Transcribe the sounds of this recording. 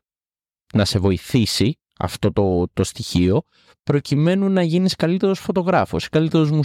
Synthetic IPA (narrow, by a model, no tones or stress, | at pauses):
nɐse̞vo̞iθisi | ɐ̰ft̪o̞t̪ot̪o̞st̪içio̞ | pɾo̞cime̞nunɐʝiniskɐlit̪e̞ɾo̞sfo̞t̪o̞ɣɾɐfo̰si̥kɐlit̪e̞ɾo̞zmu